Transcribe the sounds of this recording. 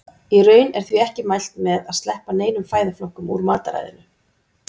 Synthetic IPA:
irœːɥnɛɾ̥θviɛhcɪmajl̥t̪mɛðaðst̪lɛhpaneːjnʏmfaːjðɪflɔhkʏmṵɾmaːt̪aɾa̰jðɪ̰nʏ

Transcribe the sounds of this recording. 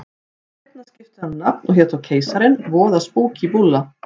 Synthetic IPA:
ɛɛt̪nascɪft̪ʏannapnɔɣçjɛt̪awcʰeːjsaɾɪnvɔːðaspoːwcivulːa

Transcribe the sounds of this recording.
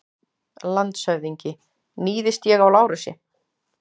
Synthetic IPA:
lant̪sœɥðiɲcɪ | niːðɪst̪jɛɣawlaːwɾʏsɪ̰

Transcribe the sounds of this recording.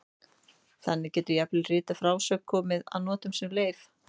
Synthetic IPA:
θɛnːɪcɛːt̪ʏɾjaplɪrɪːt̪afɾaːwsœkʰːɔːmɪða̰ðnɔːt̪ʏmsɛmleːjf

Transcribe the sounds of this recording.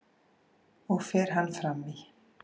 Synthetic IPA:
ɔɣfɛːɾ̥ɦanːfɾami

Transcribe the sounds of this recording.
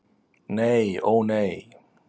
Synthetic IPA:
nejonej

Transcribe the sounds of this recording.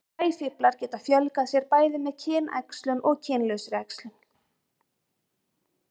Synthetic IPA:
aːjfɪplaɾ̥cɛːt̪afjœlkasjɛɾpaːjðɪmɛðcʰɛːnʔa̰jkslʏnʔɔɣcʰɛːnlœsɾɛkslʏn

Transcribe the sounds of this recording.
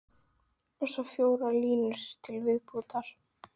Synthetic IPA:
ɔsɔfjoːwɾaɾliːnʏsst̪ʰɪlvɪðput̪aɾ̥

